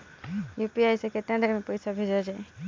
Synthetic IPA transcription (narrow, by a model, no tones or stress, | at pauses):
juːpiajsekeʈ̪ə̃ɳɖɾmẽpəjsabʱed͡ʒad͡ʒa